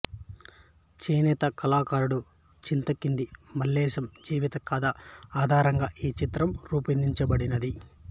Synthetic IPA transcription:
t͡ʃeːnɛːt̪ɐkɐlaːkaːɾuɽu | t͡ʃint̪ɐkind̪imɐlːɛːʃɐmd͡ʒiːʋit̪ɐkaːd̪ɐaːd̪ʱaːɾɐŋɡaːʔiːt͡ʃit̪ɾɐmɾuːpind̪iɲt͡ʃɐbɐɽinɐd̪i

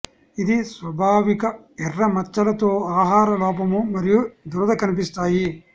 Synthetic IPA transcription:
id̪isʋɐbʱaːʋikɐ | ɛrːɐmɐt͡ʃːɐlɐt̪oːaːɦaːɾɐlɔːpɐmumɐɾijud̪uɾɐd̪ɐkɐnip̬ist̪aːji

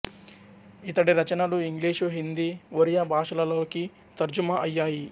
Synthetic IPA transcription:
it̪ɐɽiɾɐt͡ʃɐnɐluiŋɡliːʂuɦind̪iʋoɾijɐbʱaːʂɐlɐloːki | t̪ɐɾd͡ʒumɐʔɐjːaːji

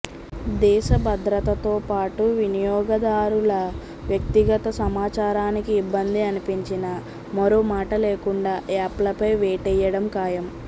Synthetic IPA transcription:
d̪ɛːʃɐbʱɐd̪ɾɐt̪ɐt̪oːpaːʈuʋinijɔːɡɐd̪aːɾulɐ | ʋjɐk̚t̪iɡɐt̪ɐsɐmaːt͡ʃaːɾaːnikiːbːɐnd̪iɐnipiɲt͡ʃinɐ | mɐɾoːmaːʈɐleːkuɳɖaːaːplɐpɐjʋɛːʈɛjɐɽɐmkaːjɐm

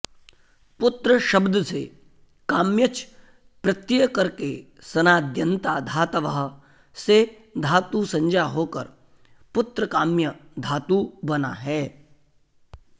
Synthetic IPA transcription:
pʊt̪ɾəʃɐbd̪se | kaːmjət͡ʃ | pɾɐt̪jjkɐɾke | sɐnaːd̪ʱjə̃nt̪aːd̪ʱaːt̪əʋəɦ | se | d̪ʱaːt̪usɐ̃ɲd͡ʒaɦoːkə̰ɾ | pʊt̪ɾəkaːmjəd̪ʱaːt̪ubɐna̰ɦɛː

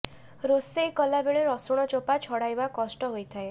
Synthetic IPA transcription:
ɾosejkɔlabeɭeɾɔsuɽ̃ɔt͡ʃopat͡ʃʰɔɽajbakɔsʈɔɦojt̪ʰae

